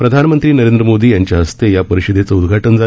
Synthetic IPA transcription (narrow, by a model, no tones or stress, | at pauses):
pɾəd̪ʱanəmənt̪ɾiːnəɾend̪ɾəmod̪iːjaɲt͡ɕjaɦəst̪ejapəɾiɕəd̪ʱet͡səud̪ɡʱaʈənd͡za